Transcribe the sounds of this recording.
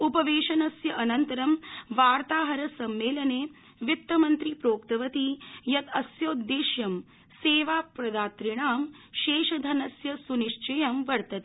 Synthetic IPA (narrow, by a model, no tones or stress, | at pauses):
upɐʋeːʃɐnɐsjɐʔɐnɐnt̪ɐɾɐmʋaːɾt̪aːɦɐɾɐsɐmːeːlɐneː | ʋit̪ːɐmɐnt̪ɾipɾoːkt̪ɐʋɐt̪ijɐt̪ɐsjoːd̪ːeːʃjɐm | seːʋaːpɾɐd̪aːt̪ɾiɳaːm | ʃeːʃɐd̪ʱɐnɐsjɐsuniʂt͡ʃɐjɐmʋɐɾt̪ɐt̪i